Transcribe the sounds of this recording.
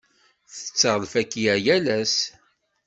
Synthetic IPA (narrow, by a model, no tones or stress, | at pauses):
θə̥t͡sːəʁlfækːijæjælæs